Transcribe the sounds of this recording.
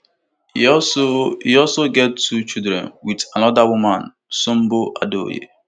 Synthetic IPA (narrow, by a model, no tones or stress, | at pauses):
iɔlsoɡɛtːut͡ʃildɾɛ̰̃nwitanɔdawumãn | som̩boʔado̰jḛ